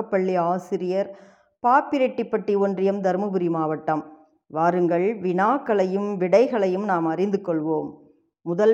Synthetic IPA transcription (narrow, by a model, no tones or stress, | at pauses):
ɐpːɐɭːiaːsɪɾɪjɐɾ | paːpːɪɾɛʈːɪpːɐʈːiɔndrɪjɐmd̪ɐɾmɯbɯɾimaːʋɐʈːɐm | ʋaːɾɯŋɡɐɭʋɪnaːkːɐɭɐjɯmʋɪɽɐɪɣɐɭɐjɯmnaːmɐrɪnd̪ɯkːɔɭʋoːmː | ʊðɐ